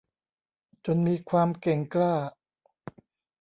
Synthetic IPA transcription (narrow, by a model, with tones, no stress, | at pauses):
t͡ɕo˧nmiː˧kʰwaː˧mke˨˩ŋklaː˥˩